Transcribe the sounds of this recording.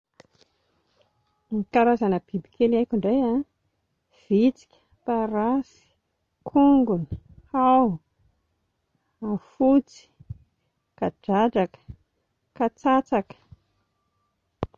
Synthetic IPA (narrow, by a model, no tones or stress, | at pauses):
mikaɾazanəbibikʰelajkʲuɳɖ͡ʐaja | v̥it͡si̥kʲə̥ | paɾasi̥ | kʰuŋɡuni̥haw | afut͡si̥ | kaɖ͡ʐaɖ͡ʐakə̥ | kat͡sat͡sakə̥